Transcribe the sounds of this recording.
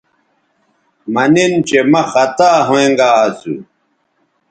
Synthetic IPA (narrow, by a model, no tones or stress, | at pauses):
mɐnint͡ɕemɐxɐt̪aːɦoẽŋɡaːsṵ